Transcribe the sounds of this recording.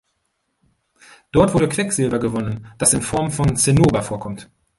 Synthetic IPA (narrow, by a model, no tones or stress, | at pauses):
d̥ɔɐtv̥ʊɐdəkv̥ɛkz̥ɪlbɐɡəvɔnənd̥asɪnfɔɐmfɔnt͡senoːbafoːɐkʰɔmt